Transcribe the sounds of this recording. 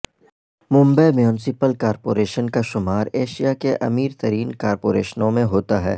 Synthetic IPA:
mʊ̃mbəjmjuːnɪsɪpəlkaːɾpoːɾeːʃənkaʃʊmaːɾeːʃijakeʔɐ̰miːɾt̪ɐɾiːnkaːɾpoːɾḛːʃənõmẽɦoːt̪aɦɛ̰ː

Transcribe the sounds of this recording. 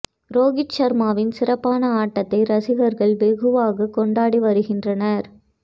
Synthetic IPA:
ɾoːɣɪt͡ʃːɐɾmaːʋɪnsɪrɐpːaːnɐaːʈːɐt̪ːɐɪɾɐsɪɣɐɾɣɐɭʋɛɣɯʋaːɣɐkɔɳɖaːɽiʋɐɾɯɣɪndrɐnɐɾ

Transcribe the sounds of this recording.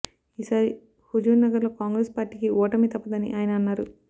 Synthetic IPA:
iːsaːɾi | hud͡ʒuːnnɐɡɐɾlo̞ːkaːŋɡɾeːspaːɾʈːiːkiɔːʈɐmit̪ɐpːɐd̪ɐnḭʔaːjɐnɐːnːaːɾu

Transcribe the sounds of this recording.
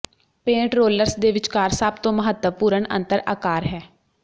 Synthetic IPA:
pẽːʈɾoːləɾsd̪eːʋɪt͡ʃkaːɾsəbt̪õːməɦət̪əpuːɾəɳə̰̃nt̪əɾa̰ːkaːɾɦɛː

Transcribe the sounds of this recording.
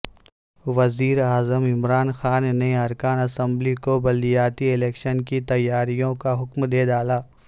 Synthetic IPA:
ʋɐziːɾaːzəmɪmɾaːnxaːnːeɐɾkaːnɐsə̃mblikobɐlijaːt̪iɪleːkʃənkit̪ɐjːaːɾijõkaɦʊkmd̪eːd̪aːlaː

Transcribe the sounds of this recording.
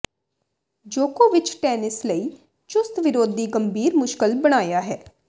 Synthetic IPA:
d͡ʒoːkoːʋɪt͡ʃʈɛːnɪsləiː | t͡ʃʊst̪ʋɪɾoːd̪iːɡəmbʱiːɾmʊʃkəlbəɽ̃aːjaːɦɛː

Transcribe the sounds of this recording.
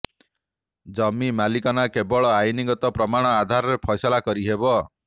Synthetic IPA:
d͡ʒɔmimalikɔnakebɔɭɔajniɡɔt̪ɔpɾɔmaɽ̃ɔad̪ʱaɾɔɾepʰɔjsɔlakɔɾiɦebɔ

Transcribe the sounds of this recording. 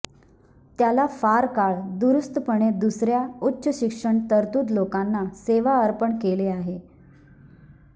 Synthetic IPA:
t̪jalafaɾkaɭd̪uɾust̪əpəɳed̪usɾjautːɕəɕikʂəɳt̪əɾt̪uːd̪lokanːaseʋaəɾpəɳkeleaɦe

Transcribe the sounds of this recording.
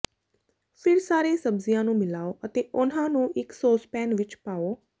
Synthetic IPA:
fʰɪɾsaːɾesəbzijãnũmɪlaːoʔət̪eʔʊnɦãnũʔɪksoːspɛːnʋɪt͡ʃpaːoː

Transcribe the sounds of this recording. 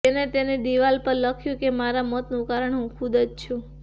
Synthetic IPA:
enet̪ened̪iʋalpəɾləkʰjũkemaɾamət̪nũkaɾəɳɦũkʰʊd̪əd͡ʒt͡ʃʰũ

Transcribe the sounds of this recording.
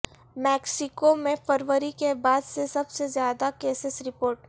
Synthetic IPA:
mɛːksɪkomẽfʰəɾʋəɾikebaːd̪sesɐbsezjaːd̪akeːsɪsɾɪpoːɾʈ

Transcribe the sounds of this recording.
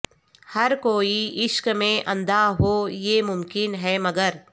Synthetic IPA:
hɐɾkoːiɪʃkmẽʔɐ̃nd̪aɦoːjeːmʊmkɪnɦɛːmɐɡəɾ

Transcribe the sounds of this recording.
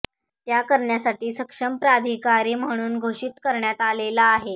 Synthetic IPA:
t̪jakəɾɳjasaʈiːsəkʂəmpɾad̪ʱikaɾiːm̤əɽ̃uːnɡʱoʂit̪kəɾɳjat̪alelaːɦe

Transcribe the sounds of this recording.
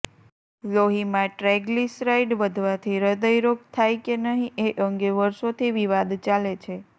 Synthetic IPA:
loɦimãʈɾɛɡlisɾaiɖʋəd̪ʱʋat̪ʰiɾəd̪əjɾok̚t̪ʰajkenəɦĩʔeʔəŋɡeʋəɾʃot̪ʰiʋiʋad̪t͡ʃalet͡ʃʰe

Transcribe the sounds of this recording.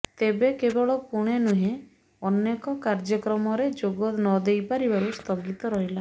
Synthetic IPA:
t̪ebekebɔɭɔkuɽ̃enuɦẽ | ɔnekɔkaɾd͡ʒɔkɾɔmɔɾed͡ʒoɡɔtnɔd̪ejpaɾibaɾust̪ʰɔɡit̪ɔɾɔɦila

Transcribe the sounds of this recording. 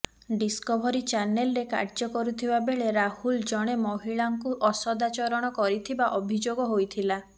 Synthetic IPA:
ɖiskɔbʱɔɾit͡ʃanelɔɾeka̰ɾd͡ʒɔkɔɾut̪ʰibabeɭeɾahuld͡ʒɔɽ̃emɔɦiɭaŋkuʔɔsɔd̪at͡ʃɔɾɔɽ̃ɔkɔɾit̪ʰibaʔɔbʱid͡ʒoɡɔɦojt̪ʰila

